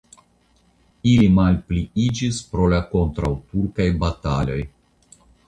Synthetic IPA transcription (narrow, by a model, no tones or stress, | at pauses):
ilimalpliid͡ʒispɾo̞lako̞ntɾawtuɾkajbatalo̞j